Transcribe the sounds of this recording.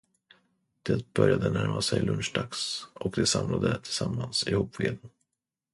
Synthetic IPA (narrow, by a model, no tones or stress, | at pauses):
d̪̥ɛt̪̚b̥œɾjad̪ənæɾmasɛjlɵnʂɖaksɔkd̪ɛsamlad̪ət̪ʰɪ̥lsamːansɪhuːpveːd̪n